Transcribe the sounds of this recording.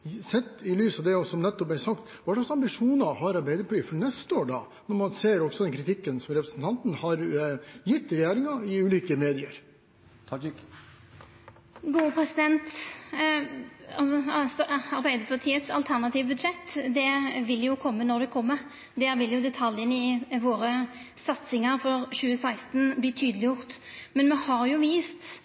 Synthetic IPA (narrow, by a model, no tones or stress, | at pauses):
sɛt̪ːɪlyːsɑʋd̪ɛɔsɔmnɛt̪ːɔpæsɑkt̪ʋɑɖɑɑksɑmbɪʂuːnɑhɑɾɑɾbæɪd̪əpʰɔliːfɔɾnɛst̪əoːɖɑ | nɔɾmɑnseːɾɔksɔd̪ɛnkʰɾɪt̪ʰɪkːənsɔmɾɛpɾəsn̩t̪ʰɑnt̪n̩hɑɾjɪt̪ːɾɛjeːɾɪŋɑɪʉːliːkəmeːd̪ɪəɾ | ɡuːəpʰɾɛsɪd̪ɛnt̪ | ɑlsɔsɑɾbæɪd̪əpʰɑʁt̪ʰiːət̪sɑ̰lt̪ʰæʁnɑt̪iːʋəbʉd̪ʂɛt̪ːd̪ɛʋɪlːjʊkʰɔmːənɔɾd̪ɛkʰɔmːəɾ | d̪ɛʋɪljʊd̪ɛt̪ʰɑljənɪʋoːɾə | sɑt̪sɪŋəɾfɔɾɕʉːəsæɪst̪nbliːt̪ʰyːd̪əlɪjʊʁt̪mɛnmɛhɑɾjʊʋiːst̪